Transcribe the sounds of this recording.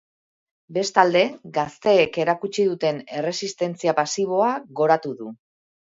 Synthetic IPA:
be̞st̪ald̪e̞ɡast̪e̞ːke̞ɾakut͡ʃiðut̪e̞ne̞re̞sist̪e̞nt͡siapasiβ̞o̞aɣo̞ɾat̪uðu

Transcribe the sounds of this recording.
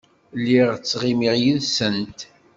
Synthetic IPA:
lːiʁt͡sːʁimiʁjiðsənt̪

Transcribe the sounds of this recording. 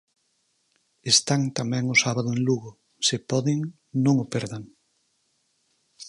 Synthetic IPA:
est̪aŋt̪amɛ̃ŋʊsaβaðʊẽŋluɣʊ | sɪpɔðɪŋ | nõŋʊpɛɾðaŋ

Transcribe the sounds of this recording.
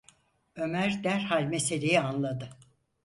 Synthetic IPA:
ø̞mæɾd̪æɾhalʲmese̞lʲijianlˠad̪ɯ

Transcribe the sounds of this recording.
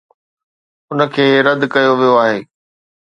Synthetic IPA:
ʊnə̆kʰeːɾɐd̪kɐjoʋijoaːɦeː

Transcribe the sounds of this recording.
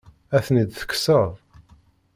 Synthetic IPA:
æθnid̪θə̥kːsəʁˤ

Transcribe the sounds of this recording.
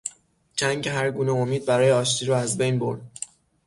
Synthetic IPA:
t͡ʃʰæŋɟeɦæɾɡuːneomiːd̪̚bæɾɒːjeɒːʃt̪ʰiːɾɒːæzbejnbo̞ɾd̪̥

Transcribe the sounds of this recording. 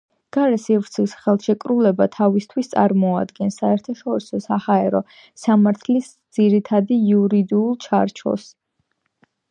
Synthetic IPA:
ɡ̥aɾɛsivɾt̪sʰisχɛlˠʃɛkʼɾulɛbat̪ʰavist̪ʰwist̪sʼa̰ɾmɔa̰d̪ɡɛnsaɛɾt̪ʰaʃɔɾisɔsahaɛɾɔ | samaɾt̪ʰlisd̪z̥iɾit̪ʰad̪iuɾid̪iulˠt͡ʃʰa̰ɾt͡ʃʰɔ̰s

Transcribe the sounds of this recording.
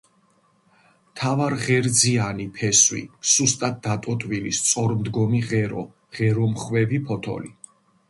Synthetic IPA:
mt̪ʰavaɾʁɛɾd̪zianipʰɛswḭz̥ust̪ʼat̪̚d̪at̪ʼɔt̪ʼvilist̪sʼɔɾmd̪ɡɔmiʁɛɾɔ | ʁ̥ɛɾɔmχwɛvipʰɔt̪ʰɔ̰li

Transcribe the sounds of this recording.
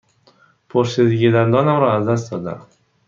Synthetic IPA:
pʰoɾsed̪ɪɡʲid̪and̪ɒnamɾɒazd̪as̬t̪d̪ɒd̪a̰m

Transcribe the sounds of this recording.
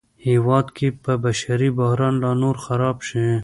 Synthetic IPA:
hiwɑːd̪kipəbɐʃɐɾiboɦɾɑːnlɑːnoːɾxɐɾɑːbʃẽ

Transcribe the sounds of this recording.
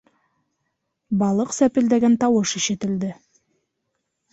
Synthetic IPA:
bɑlˠəqsæpeld̪eɡʲent̪ʰɑwəʃəʃet̪ɪld̪ɪ

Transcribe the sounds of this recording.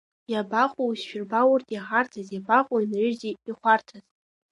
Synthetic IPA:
jabaχʷʼuusʃᶣɪrbawʊrtʼjaħartʰazjabaχʷʼuinrɨʒziiχʷartʰaz

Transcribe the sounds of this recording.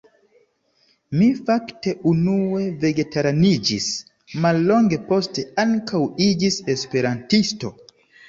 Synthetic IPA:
mifakte̞ʔunue̞ve̞ɡetaɾanid͡ʒis | malːo̞ŋɡe̞po̞ste̞aŋkʰawid͡ʒise̞spe̞ɾantisto̞

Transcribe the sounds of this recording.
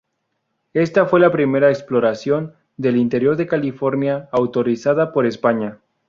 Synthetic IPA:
e̞st̪afwe̞lapɾime̞ɾaeksplo̞ɾasjo̞n | d̪e̞lint̪e̞ɾjo̞ɾðe̞kalifo̞ɾnjaːwt̪o̞ɾisaðapo̞ɾe̞spaɲa

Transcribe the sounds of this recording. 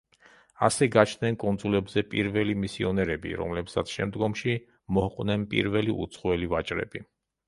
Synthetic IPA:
asɛɡat͡ʃʰnɛnkʼɔnd̪zulɛbzɛpʼiɾvɛlimisiɔnɛɾɛbḭɾɔ̰mlɛpsat̪sʰʃɛ̰md̪ɡɔmʃi | mɔhqʼnɛnpʼḭɾvɛliṵt̪sʰχɔɛlivat͡ʃʼɾɛ̰bi

